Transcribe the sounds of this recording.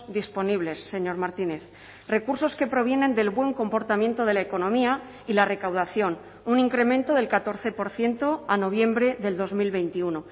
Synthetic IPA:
d̪ispo̞niβ̞le̞sːe̞ɲo̞ɾmaɾt̪ine̞θ | re̞kuɾso̞ske̞pɾo̞β̞je̞ne̞nd̪e̞lβwe̞ŋko̞mpo̞ɾt̪amjẽ̞nt̪o̞ð̞e̞laeko̞nõ̞mia | ilare̞kawðaθjo̞n | uniŋkɾe̞mẽ̞nt̪o̞ðe̞lkat̪o̞ɾθe̞po̞ɾθje̞nt̪o̞ano̞β̞je̞mbɾe̞ðe̞ld̪o̞zmilβe̞jnt̪iuno

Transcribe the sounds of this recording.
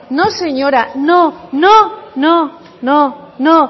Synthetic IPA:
nõseɲõɾanõnõnõ | nõnõ

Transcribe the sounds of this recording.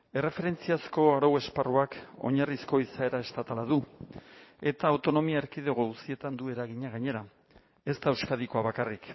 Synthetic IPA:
e̞re̞fe̞ɾe̞nt͡siasko̞aɾowe̞sparuako̞̰ɲarisko̞isae̞ɾae̞st̪at̪alaðu | e̞t̪aːwt̪o̞no̞miaeɾkiðeɣousie̞t̪and̪ue̞ɾaɣiɲaɣaɲe̞ɾa | e̞st̪aewskaðikoaβakarik

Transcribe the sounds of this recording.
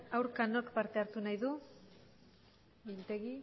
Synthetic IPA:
awɾkanokpaɾt̪e̞aɾt̪unajðu | bilt̪e̞ɣi

